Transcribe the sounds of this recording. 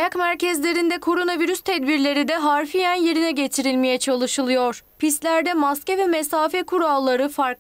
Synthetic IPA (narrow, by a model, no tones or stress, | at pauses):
jakmæɾcɛzlʲe̞ɾind̪ɛkʰo̞ɾo̞naviɾyst̪ʰɛd̪biɾlʲe̞ɾid̪ɛɦaɾfijænje̞ɾinɛɟe̞t̪ʰiɾilʲmejɛt͡ʃʰalˠɯʃɯlˠɯjo̞ɾ̥pist̪lʲæɾd̪ɛmascɛvɛmesaːfɛkʰuɾalˠːaɾɯfaɾk